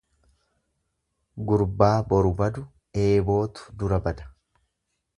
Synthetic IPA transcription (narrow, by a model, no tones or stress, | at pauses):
ɡʊɾbaːbɔɾʊbɐd̪ʊ | e̞ːbo̞ːt̪ʊ̥d̪ʊɾɐbɐd̪ɐ̥